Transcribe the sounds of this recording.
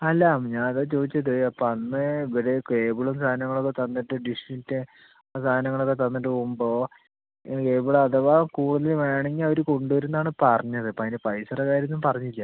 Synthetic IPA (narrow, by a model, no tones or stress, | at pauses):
ɐlːɐmɲanɐðɐt͡ɕoːðit͡ɕːɐðɨɐpːoɐnːɨiʋɐɾekeːbuɭɐmst̪ʰaːnɐŋːɐɭokːet̪ɐnːiʈːɨɖiʂʈːitːɨ | st̪ʰaːnɐŋːɐɭokːet̪ɐnːiʈːɨpomboː | keːbuɭɐɐðɐʋakuːɽuðɐlʋeːɳeŋɡilo̞ɾuko̞ɳɖuʋɐɾunːaːɳɨpɐrɐɲːɐðɨɐpːoɐðinɨpɐjsɐrɐkaːɾjɐnːumpɐrɐɲːilːɐ